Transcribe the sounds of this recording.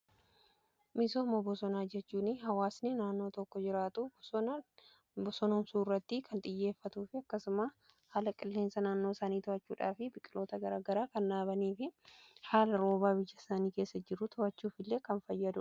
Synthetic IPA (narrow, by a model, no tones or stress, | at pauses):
mɪsoːmɔbɔsɔnaːd͡ʒɛt͡ʃːuːnɪɦɐwaːsnɪnaːnːo̞ːt̪ɔkːɔd͡ʒɪɾaːt̪ʊ | bɔsɔnɔmsuːrːɐt̪ːɪkʰɐnt̪ʼɪjːe̞ːfːɐt̪uːfɪɐkːɐsʊmɐ | haːlɐkʼɪlːeːnsɐnaːnːo̞ːsaːniːt̪ʊɐt͡ʃːṵːᶑa̰ːfɪbɪkʼɪlo̞ːt̪ɐɡɐɾaːɡɐɾaːkɐnᶑaːbɐniːfɪhaːlɐɾo̞ːbaːbɪjːɐsaːniːke̞ːsːɐd͡ʒɪɾːʊt̪ʰɔɐt͡ʃːuːfɪlːe̞ːkɐnfɐjːɐd̪ʊ